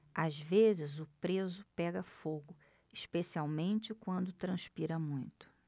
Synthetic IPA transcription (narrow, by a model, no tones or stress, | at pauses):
azvezɪzʊpɾezʊpɛɡɐfoɡʊ | iʃpesiawmẽnt͡ʃɪkwɐ̃nd̪ʊt̪ɾɐ̃ʃpiɾɐmũj̃t̪ʊ̥